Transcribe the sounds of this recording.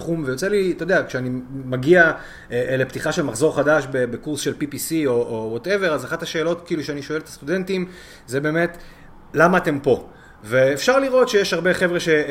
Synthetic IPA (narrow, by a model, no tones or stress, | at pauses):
χumvejot͡selit̪ood̪eakʃeanimaɡia | eleptiχaʃe̞lmaχzo̞ʁχadaʃbebekuʁsʃe̞lpipisio̞ʔowote̞ve̞ʁazaχataʃeːlo̞tkiːluʃeaniʃoeletḁst̪ude̞ntim | zebe̞ːme̞t | lamaːte̞mpo̞ | veːfʃaʁliʁo̞tʃejeʃhaʁbeχe̞vʁeʃe